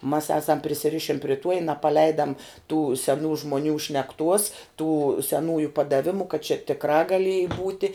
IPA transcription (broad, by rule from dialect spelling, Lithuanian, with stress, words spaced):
mɐs ˈɑːsɐm pʲrʲɪsʲɪˈrʲɪʃʲɪn pʲrʲɪ ˈtuɔ ɪ nɐpɐˈlʲɛɪdɐm tuː sʲɛˈnuː ʒmoːˈnʲuː ʃʲnʲɛkˈtuɔs tuː sʲɛˈnuːjʊ pɐdɐˈʋʲɪmʊ kɐt t͡ʃʲɛ tʲɪkˈrɑː ɡɐˈlʲiɛjɪ ˈbuːtʲɪ